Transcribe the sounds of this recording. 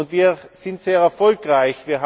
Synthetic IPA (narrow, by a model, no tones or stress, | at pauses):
ʊntviːɐz̥ɪntz̥eːɐʁɛɐfɔlkʁaɪçv̥iːɐɦ